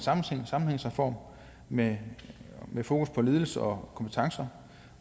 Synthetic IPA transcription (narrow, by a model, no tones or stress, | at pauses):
sɑ̈mn̩eŋ̰sɑ̈mn̩heŋ̰safɒ̰ːm | me | mefo̝ːkʰuspʰɒ̽le̝ːð̞ˠl̩səɒ̽kʰɒ̽mpʰe̥t͡sʰɑ̈ŋsɐ